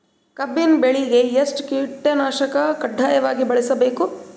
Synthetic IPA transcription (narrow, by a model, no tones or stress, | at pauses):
kɐbːinbeɭiɡejɐsʈkiːʈːɐnaːʃɐkɐkɐɖʱːaːjɐʋaːɡibɐɭisɐbeːku